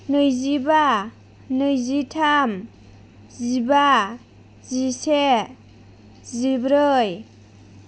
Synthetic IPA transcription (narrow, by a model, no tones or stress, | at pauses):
nɯjziba | nɯjzitʰam | ziba | zise | zibɾɯj